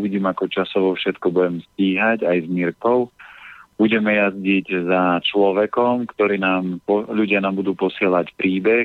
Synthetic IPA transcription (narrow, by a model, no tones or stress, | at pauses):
uʋiɟiːmakɔt͡ʃasɔʋɔfʃɛt̪kɔbuɟɛmsciːɦaɟajzmiɾkɔʊb̥uɟɛmɛjazɟiɟzat͡ʃlɔʋɛkɔmkt̪ɔɾiːnaːmpɔʎuɟɪanaːmbud̪uːpɔsɪɛlacpɾiːbɛ